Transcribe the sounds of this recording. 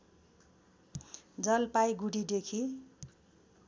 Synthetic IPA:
d͡zʌlpajɡuɽid̪ekʰi

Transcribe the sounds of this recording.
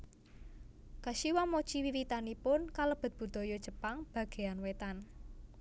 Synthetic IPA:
kaʃiwamo̥t͡ʃiwiwit̪anipʊnkaləb̥ə̤t̪̚b̥ṳd̪̥ɔ̤jɔd̥ʒ̥ə̤paŋb̥ä̤ɡ̥e̤anwet̪an

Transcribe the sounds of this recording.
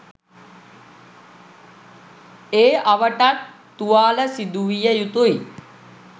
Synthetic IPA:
eːɐʋəʈat̪ː | uʋaːləsid̪uʋijəjut̪uj

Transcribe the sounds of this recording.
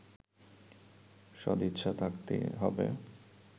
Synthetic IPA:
ʃɔd̪it̪ːɕʰat̪ʰakt̪ḛɦɔbe

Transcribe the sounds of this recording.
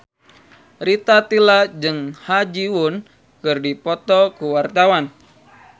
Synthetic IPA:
rit̪at̪ilad͡ʒɨŋhad͡ʒiwun | kɨrdipɔt̪ɔkuwart̪awan

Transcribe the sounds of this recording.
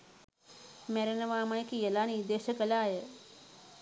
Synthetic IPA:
meɾenʋaːmakʰijɐlaːnid̪eːɕəkəlaːɦe

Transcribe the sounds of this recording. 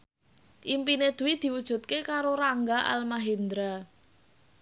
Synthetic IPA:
ʔimpined̪̥ṳwid̪̥i̤wud̥ʒ̥ṳt̪̚kekaɾoɾaŋɡaʔa̰lmaɦend̪ɾa

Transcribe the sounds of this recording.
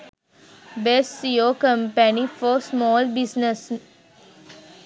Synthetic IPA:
besjokə̃mpɛnifɔːsmɔːlbɪsnes

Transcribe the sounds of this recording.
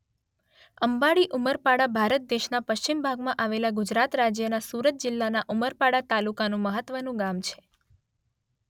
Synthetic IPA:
əmbaɭiʔuməɾpaɽabʱaɾət̪̚d̪eʃnapəʃt͡ʃimbʱaɡmãʔaʋelaɡʊd͡ʒɾat̪ɾad͡ʒjənasuɾət̪̚d͡ʒɪlːanaʔuməɾpaɽat̪alukanũməɦət̪ʋənũɡamt͡ʃʰe̥

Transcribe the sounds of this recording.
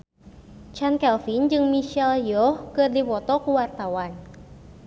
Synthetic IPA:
t͡ʃankɛlfind͡ʒɨŋmiʃɛljɔhkɨrdipɔt̪ɔkuwart̪awan

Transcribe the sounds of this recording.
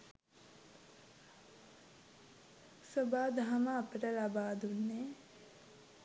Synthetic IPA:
sobaːd̪aɦaməːpəʈəlabaːd̪unːe

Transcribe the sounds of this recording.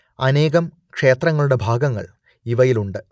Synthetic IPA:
ɐne̞ːɣɐm | kʂe̞ːt̪rɐŋːɐɭuɽe̞bʱaːɡɐŋːɐ̰ɭ | iʋɐjiluɳɖɨ

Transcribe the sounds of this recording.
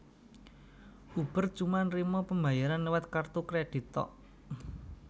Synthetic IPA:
ʔub̥ə̤rt͡ʃumanrimɔpəmba̤jaɾanlwat̪kart̪ukɾed̥i̤t̪ɔ̰ʔ

